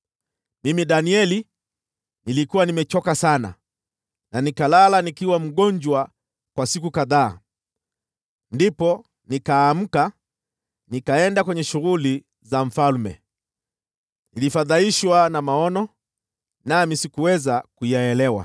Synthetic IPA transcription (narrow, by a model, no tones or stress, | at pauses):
mimiɗaniɛli | nilikuwanimɛt͡ʃɔkasana̰ | nanikalalanikiwam̩ɠɔɲd͡ʒwa | kwasikukaðaː | ndipɔ | nikaːm̩ka | nikaɛndakwɛɲɛʃuɣuli | zaɱ̩falmɛ̰ | nilifaðaiʃwanamaɔnɔ | namisikuwɛzakujaɛlɛwa̰